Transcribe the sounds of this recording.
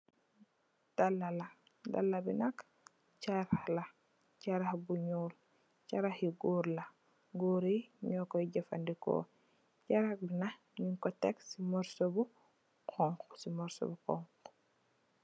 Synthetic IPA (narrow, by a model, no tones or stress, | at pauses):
d̥alːala | da̰lːabinak | t͡ʃaɾaxla | caɾaxbuɲuːl | caɾahiɡuɾla | ɡuːɾiɲɔkɔiɟɛfa̰ndikɔ̰ | t͡ʃaɾak̚bina | ɲiŋkɔtɛksimɔɾsobu | kʰɔŋkɔsimɔɾsɔ̰bukɔ̰ŋk